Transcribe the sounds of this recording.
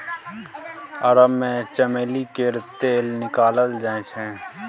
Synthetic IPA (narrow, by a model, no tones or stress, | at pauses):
ɐɾəbmẽːt͡ʃəmeːlikeɾt̪eːlnɪkaːlət̪d͡ʒaẽt͡ʃʰɛ̃ː